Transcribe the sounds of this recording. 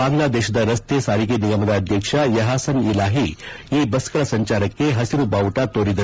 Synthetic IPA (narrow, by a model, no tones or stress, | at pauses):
aːŋlad̪eːɕɐd̪ɐɾɐst̪esaːɾikeniɡamɐd̪aɐd̪ʱjɐkʂajɐɦaːsɐnilaːɦijebɐskɐɾɐsɐɲt͡ʃaːɾɐkːeɦɐsiɾubawʈat̪oːɾid̪ɐ